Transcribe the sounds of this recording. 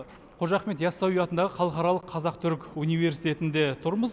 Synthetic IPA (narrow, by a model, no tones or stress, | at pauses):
qʰo̞ʒɑqme̞t̪jɑsːɑwijɑt̪ənd̪ɑʁəχʰɑlˠəqɑɾɑlˠəqʰːɑzɑqt̪ʰʏɾkunijve̞ɾsijt̪ʰe̞t̪ɪnd̪e̞t̪ʰʊɾməz